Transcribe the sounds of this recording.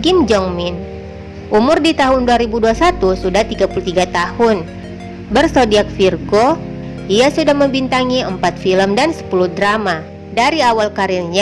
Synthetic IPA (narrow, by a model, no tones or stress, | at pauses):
ɡɪmd͡ʒɔŋmin | ʔumʊrdit̪aɦʊnduaɾibuduasat̪usudaht̪iɡapulut̪iɡat̪ahʊn | bərsodiak̚firɡo | iasudahməmbint̪aŋiəmpat̪filəmdansə̥puludɾama | daɾiawalkaɾilɲa